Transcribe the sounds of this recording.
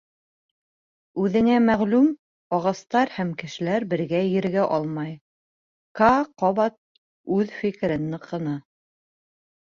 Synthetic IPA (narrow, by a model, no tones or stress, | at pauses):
ʉðɘ̆næmæʁlʉm | ɑʁɑst̪ɑɾhæmkɘ̆ʃɘ̆læɾbɘ̆ɾɡæjɘ̆ɾɡæʔɑlˠmɑj | kɑqɒβɑt̪̚ | ʉðfikɘ̆ɾɘnːɤqɤ̆nɑ